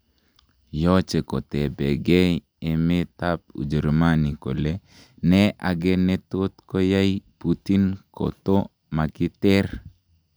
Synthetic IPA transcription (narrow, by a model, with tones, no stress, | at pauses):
jɔ˦t͡ʃe˨kɔ˨t̪ɛ˨bɛ˨ɡe˦ | e˨me˦t̪ap̚ṵ˨d͡ʒə˨ɾma˦ni˨ko̰˨le | nɛʔa˨ɡɛ˦nɛ˦t̪o˦t̪ko˦ja˦iput̪i˦nkʰo̰t̪o˦ | ma˨kɪ˦t̪ɛ˦r